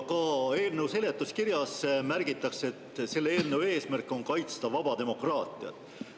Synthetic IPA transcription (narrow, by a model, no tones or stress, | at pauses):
kɑe̞ːlnewse̞let̪ːˑuskirjɑsmærɡ̥it̪ːˑɑkse̞t̪ːse̞lːeeːlneue̞ːsmærkːˑo̞nkɑjt̪st̪ɑvɑb̥ɑd̪̥e̞mo̞krɑːt̪ˑiɑ̰t̪ːˑ